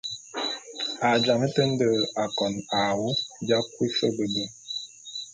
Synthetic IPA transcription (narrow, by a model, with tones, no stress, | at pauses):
a˨d͡ʒa˨mə˦tə˦n̩˦də˨a˨kɔ˨na˨wu˦d͡ʒa˦kwi˦sə˦bə˨bə˦˨